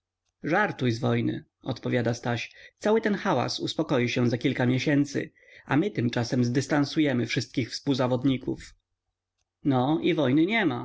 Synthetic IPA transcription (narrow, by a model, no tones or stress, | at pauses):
ʐaɾt̪ujzvɔjnɘ̰ | ɔt̪pɔvʲjad̪ast̪aɕt̪sawɘt̪ɛnxawa̰suspɔkɔjiɕɛ̃zakʲilkamʲjeɕɛnt̪sɘ̰ | ʔa̰mɘt̪ɘmt͡ʂasɛmzd̪ɘst̪ansujɛmɘfʂɘst̪̚kʲixfspuwzavɔd̪ɲikṵf | nɔivɔjnɘɲɛma